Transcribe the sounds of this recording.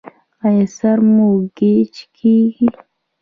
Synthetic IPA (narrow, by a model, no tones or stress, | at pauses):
ajesaɾmuɡet͡ʃkʰiːɡi